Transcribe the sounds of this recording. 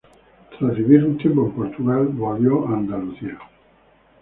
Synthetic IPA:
t̪ɾaziβiɾnt̪ebompoɾt̪uɣalboβjoaːnd̪aluθia

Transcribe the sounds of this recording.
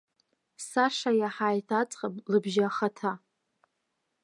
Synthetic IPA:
saʂajaħaːjtʰat͡sʼqʼapʼlɨbʒaːχatʰa

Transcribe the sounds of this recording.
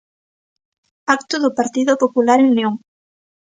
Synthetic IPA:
akt̪ʊðʊpaɾt̪iðʊpopulaɾeunjoŋ

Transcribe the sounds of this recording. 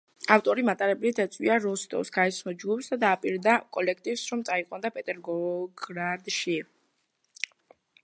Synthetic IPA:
aft̪ʼɔɾimat̪ʼaɾɛblit̪ʰɛt̪sʼwiaɾɔst̪ʼɔ̰vsɡaɛsʰmɔd͡ʒɡupʰsd̪ad̪aːpʼiɾd̪akʼɔlɛk̚ʰt̪ʼivsɾɔmt̪sʼaiqʼwand̪apʼɛt̪ʼɛɾɡɔɡɾad̪ʃi

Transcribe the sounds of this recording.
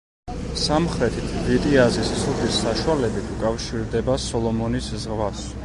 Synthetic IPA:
samχɾɛt̪ʰit̪ʰvit̪ʼiazisisʰɔt̪ʰisaʃualɛbit̪ʰukʼafʃiɾd̪ɛbasɔlˠɔmɔniszʁvas

